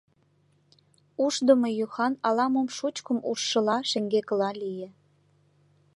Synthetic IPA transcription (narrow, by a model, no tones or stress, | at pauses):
uʃd̪əmojuxɑnɑlɑmomʃut͡ɕkəmṵʃːə̆lɑʃeŋɡekəlɑlijĕ